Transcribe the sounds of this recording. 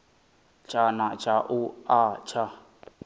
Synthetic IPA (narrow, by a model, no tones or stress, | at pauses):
t͡ʃʼanat͡ʃʼaʔuat͡ʃʰa